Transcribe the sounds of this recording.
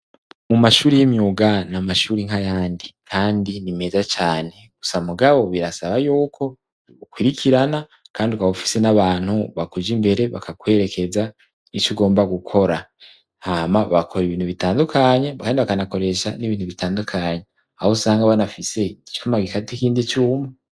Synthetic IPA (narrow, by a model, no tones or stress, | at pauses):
mumaʃuːɾijimjuːɡanamaʃuːɾiŋ̥ɦajaːndikʰaːndinime̞zat͡ʃaːne̞ɡ̥u̥samuɡaβo̞βiɾasaβajuːkʰo̞ | ukwiɾikʰiɾana | kaːndiukwaufi̥se̞naβaːnhuβakud͡ʒimbe̞ɾe̞βa̰kʰakwe̞ɾe̞kʰe̞za | it͡ʃuɡo̞ːmbaɡukʰo̞ɾa | hamaβakʰo̞ɾiβiːn̥huβitaːndukʰaɲe̞kaːndiβakanako̞ɾe̞ʃa̰niβiːnhuβitaːndukʰaɲe | ahosaːŋɡaβanafise̞t͡ʃi̥fumaɡikatikiːndit͡ʃuːme